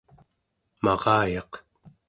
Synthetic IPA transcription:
mɑʁɑːjɑq

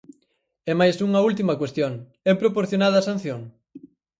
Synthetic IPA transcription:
ɛmajsuŋɐult̪imɐkwest̪joŋ | ɛpɾopoɾθjonaðɐːsan̟θjoŋ

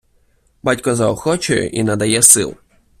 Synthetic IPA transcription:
batʲkɔzɐɔxɔt͡ʃɔjʊ̰ʔinɐd̪ɐjɛsɪ̰lˠ

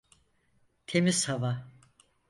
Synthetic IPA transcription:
t̪ʰemizhava

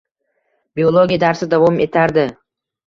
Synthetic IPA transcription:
biolˠoɡʲijad̪aɾsɪd̪avɒme̞t̪ʰaɾd̪ɪ

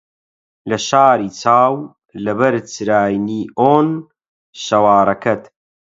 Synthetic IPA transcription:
lɐʃaːɾiːt͡saːw | lɐbɐɾt͡sɾaːjniːʔoːn | ʃɐwaːɾɐkʰɐt̪

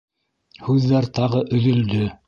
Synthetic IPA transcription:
hʉðːæɾt̪ɑʁɤʔɵ̆ðɵ̆ld̪ɵ

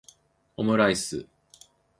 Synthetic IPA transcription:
omɯ̟ɾaisɨ̰

